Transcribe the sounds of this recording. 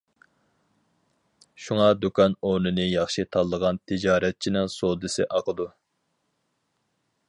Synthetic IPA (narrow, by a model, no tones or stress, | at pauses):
ʃuŋɑd̪ukʰɑnonɨnɨjɑχʃit̪ʰɑlˠːəʁɑnt̪ʰɪd͡ʒɑːɾɛt̪̚t͡ʃʰinɪŋsod̪ɨsɪ̰ʔɑqəd̪u